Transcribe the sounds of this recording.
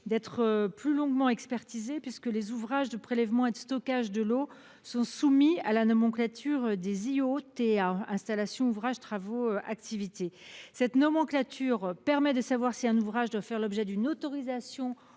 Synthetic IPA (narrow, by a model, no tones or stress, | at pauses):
d̪ɛt̪χəplylɔ̃ɡmɑ̃ɛkspɛʁt̪izepɥiskəlezuvʁaʒd̪əpχelɛvmɑ̃ed̪əst̪ɔkaʒd̪əlo | sɔ̃sumialanɔmɑ̃klat̪ʰyʁd̪eziot̪eaɛ̃st̪alasjɔ̃uvʁaʒt̪χavoøa̰kt̪ivit̪esɛt̪nɔmɑ̃klat̪ʰyʁpɛʁmɛd̪əsavwaʁsiɛ̃nuvʁaʒd̪wafɛʁlɔbʒɛd̪ynot̪ɔʁizasjɔ̃